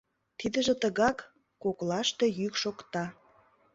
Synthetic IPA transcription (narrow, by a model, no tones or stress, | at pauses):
t̪id̪ə̆ʒĕt̪əɣɑkː | oklɑʃt̪e̽jykʃokt̪ɑ